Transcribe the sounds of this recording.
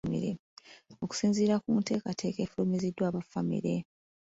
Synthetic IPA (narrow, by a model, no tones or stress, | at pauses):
mḭɾeo̞ku̥siːnziːɾakute̞ːkatʰe̞ːke̞ːfulumizidːwaːβafamḭɾe̞̰